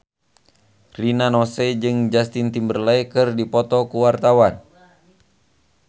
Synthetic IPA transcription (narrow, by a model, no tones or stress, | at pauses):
rinanɔsɛd͡ʒɨŋd͡ʒast̪int̪imbərlajkɨrdipɔt̪ɔkuwart̪awan